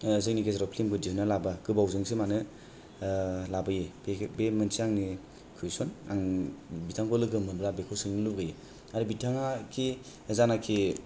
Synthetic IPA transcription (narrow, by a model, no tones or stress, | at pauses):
zɯŋnikesɾɔpʰlimɡɯd͡ʒinalabakɯbawzɯŋsimanɯ | labajibemɯnsiaŋni | kʰɯisɔnaŋbitʰaŋkʰɔlɯɡɯmɯnbɾabekʰɔsɯŋnɯluɡaji | aɾɯbitʰaŋakʰi | zanakʰi